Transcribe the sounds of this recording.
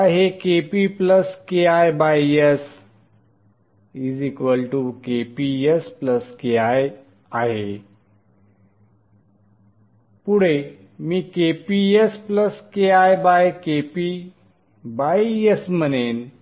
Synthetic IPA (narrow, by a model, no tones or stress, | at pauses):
aɦekepipləskeajbajes | id͡zikʋəlʈukepiespləskeaj | aɦe | puɽe | miːkepiespləskeajbajkepi | bajesmənen